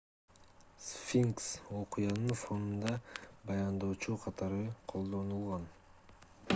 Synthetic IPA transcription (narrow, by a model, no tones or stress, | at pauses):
sfʲiŋkso̞qɨjɑnɯnfo̞nund̪ɑbɑjɑnd̪o̞ːt͡ʃuqʰɑt̪ɑɾɯqʰo̞lˠd̪o̞nulˠʁɑn